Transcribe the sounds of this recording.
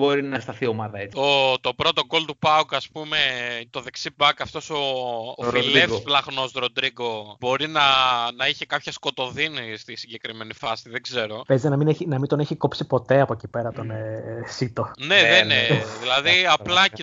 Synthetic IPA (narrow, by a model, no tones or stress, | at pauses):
bo̞ɾinɐst̪ɐθio̞mɐðɐet͡sot̪o̞pɾo̞t̪o̞ko̞lt̪upɐukɐspume̞t̪o̞ðe̞ksibɐkɐft̪o̞so̞ːfllefssplɐɣno̞sɾod̪ɾiɡo̞bo̞ɾinɐnɐiçekɐpçɐsko̞t̪o̞ðinist̪isiɲɟe̞kɾime̞nifɐsiðe̞ɡze̞ɾo̞pezt̪nɐmineçinɐmint̪o̞neçiko̞psipo̞t̪e̞ɐpocipeɾɐt̪o̞nesit̪o̞neðeneðilɐðiɐplɐce